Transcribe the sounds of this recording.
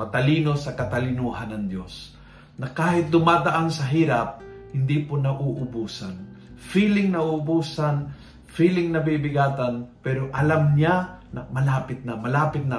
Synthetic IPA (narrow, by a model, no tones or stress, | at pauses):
mɐt̪ɐliːnosɐkɐt̪ɐlɪnuːhanːɐŋd̪jos | nɐkaːhɪt̪̚d̪ʊmaːd̪ɐʔansɐɦiːɾap̚hɪnd̪ipʊnɐʔuʔʊbuːsan | fiːlɪŋnɐuʊbuːsan | fiːlɪŋnɐbibɪɡaːt̪anpɛːɾoʔɐlamɲanɐmɐlaːpɪt̪̚namɐlaːpɪt̪̚na